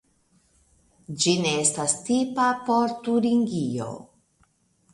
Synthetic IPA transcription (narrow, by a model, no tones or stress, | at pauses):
d͡ʒine̞estastipapo̞ɾtuɾiŋɡio̰